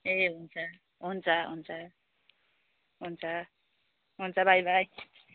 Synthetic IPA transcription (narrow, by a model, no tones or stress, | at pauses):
eɦunt͡sʰʌ | ɦunt͡sʰʌɦṵnt͡sʰa | ɦunt͡sʰʌ | ɦunt͡sʰʌbajbaj